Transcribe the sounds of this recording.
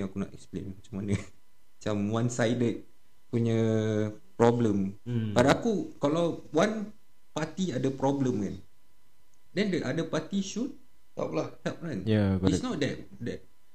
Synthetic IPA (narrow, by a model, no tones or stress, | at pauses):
akuna̰ʔɛ̰ksplḛnmat͡ʃamanə | mat͡ʃamwansajdət̪̚ | puɲə | pɾɔbləmpadaakukalawwan | pat̪iadəpɾɔbləmkan | dɛndəʔadəpat̪iʃut̚ | t̪a̰plaht̪ap̚kanjasnɔt̚dɛt̚ | dɛt̚